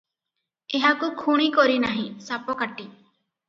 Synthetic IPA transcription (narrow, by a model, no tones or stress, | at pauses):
eɦakukʰuɽ̃ikɔɾinaɦĩsapɔkaʈi